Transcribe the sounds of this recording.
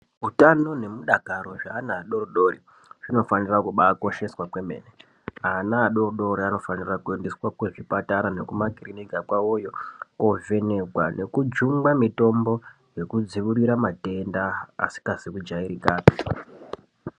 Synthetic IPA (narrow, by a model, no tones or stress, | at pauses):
utano̞ne̞muɗakaɾo̞ʐaːnaːɗo̞roɗo̞ɾi | ʐ̥ino̞fanirakuɓako̞ʃe̞swakwe̞me̞̰ːne | anaːɗo̞rɗo̞ɾiano̞fanirakue̞ndeswakwe̞ʐipataɾane̞kumakirinikakwaojo̞kove̞ne̞kwa̰nʔe̞kud͡ʒuŋɡamito̞mbo̞ | je̞kud͡ziʋuriɾamate̞nda̰ːsi̥kasikud͡ʒaiɾikaːpi